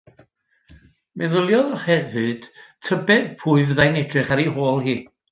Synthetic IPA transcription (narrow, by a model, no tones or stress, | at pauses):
mʔɛðəlˠjɔðɔhɛvɨd̥tʰəbɛdpʰuɨvðajnɛdʰrɨχaɾiɦoːlˠhiː